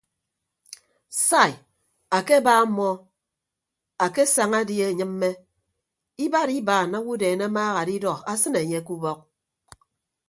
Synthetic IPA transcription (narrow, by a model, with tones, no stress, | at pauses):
sa˦˨ | a˨ke˦ba˦mːɔ˦ | a˨ke˦sa˨ŋa˦dje˦˨ɲɨ˦m̩ː˦e˦ | i˦ba˦ɾi˦baː˨na˦wu˦deː˨ne˦maː˦ɣa˨di˦dɔ˨a˦sɨ˦ne˨ɲe˦˨ku˦bɔ˦k̚